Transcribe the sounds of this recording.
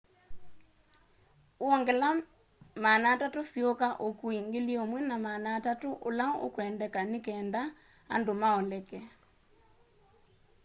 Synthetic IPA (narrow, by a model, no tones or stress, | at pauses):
oɔŋɡɛla | manaːtatosiokaʔokuiŋɡeliomwɛnamanaːtatoʔolaʔo̰kwɛndɛkanekɛːnda | a̰ndomaɔlɛkɛ